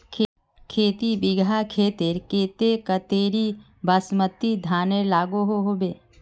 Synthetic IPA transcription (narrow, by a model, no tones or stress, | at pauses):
kʰeːt̪ibɪɡʱakʰeːt̪eɾkeːt̪ekət̪eːɾi | bəsmət̪ːid̪ʱaːnelaːɡoɦoɦoːbeː